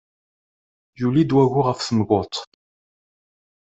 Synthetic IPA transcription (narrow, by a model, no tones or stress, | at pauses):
julid̪wæʝʊʁəfθəməɡot̪ˤ